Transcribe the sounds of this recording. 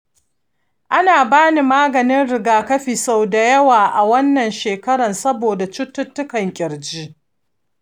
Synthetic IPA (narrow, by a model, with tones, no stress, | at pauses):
ʔa˦naː˨baː˦ni˨maː˦ɡɐ˨nɪ˦nɽɪ˨ɡaː˨kɐ˦ɸiː˨sa˦˨wda˨jɐ˦waː˨ʔa˨wɐ˦nːɐ˨nʃeː˨kɐ˦ɽɐ˨nsɐ˦boː˨da˨t͡ʃʊ˦tːʊ˦tːʊ˦kɐ˨ŋkʲʼɪ˨ɾd͡ʒi˦